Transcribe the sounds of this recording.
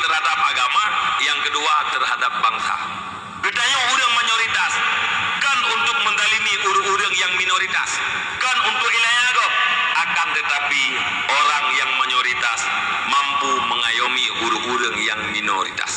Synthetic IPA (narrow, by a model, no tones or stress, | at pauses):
t̪ərhadap̚aɡamajaŋkəduat̪ərɦadap̚baŋsa̰ | bət̪ajouɾəŋmaɲoɾit̪askanunt̪ʊk̚mənd̪aliniʔuɾəŋuɾəŋjaŋminoɾit̪a̰s | kanunt̪ʊkilaɲadɔakant̪ət̪api | oɾaŋjaŋmaɲoɾit̪as | mampuməŋajomiuɾʊŋuɾəŋjaŋmino̰ɾḭt̪a̰s